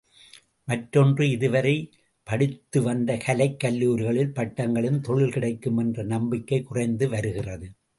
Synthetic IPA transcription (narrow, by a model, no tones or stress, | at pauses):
mɐʈːɔndrɯɪðɯʋɐɾɐɪ | pɐɽɪt̪ːɯʋɐnd̪ɐkɐlɐɪkːɐlːuːɾɣɐɭɪlpɐʈːɐŋɡɐɭɯmt̪ɔɻɪlkɪɽɐɪkːɯmɛndrɐnɐmbɪkːɐɪkʊrɐɪnd̪ɯʋɐɾɯɣɪrɐðɯ